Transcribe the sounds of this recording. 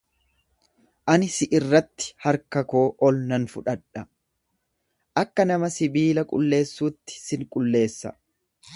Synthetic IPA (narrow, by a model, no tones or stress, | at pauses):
ʔɐnɪsɪʔɪrːɐt̪ːɪ̥hɐɾkɐkoːʔɔlnɐnfʊᶑɐᶑɐ | ʔɐkːɐnɐmɐsɪbiːlɐkʼʊ̰lːe̞ːsːuːt̪ːɪ̥sɪŋkʼʊlːe̞ːsːɐ̰